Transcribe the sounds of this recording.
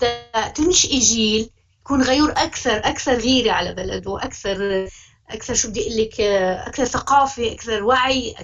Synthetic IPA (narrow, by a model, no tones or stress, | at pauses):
d̪aat̪ɪnʃʔɪʒiːl | jakuːnɣajuːɾʔakθɑɾˤʔakθɑɾˤɣiːɾiʕalabala̰d̪wʔakθɑɾˤ | ʔa̰kθɑɾˤʃubɪd̪iʔɪlːɪkʔa̰kθɑɾˤθaqɑːfiʔakθɑɾˤwaʕiʔ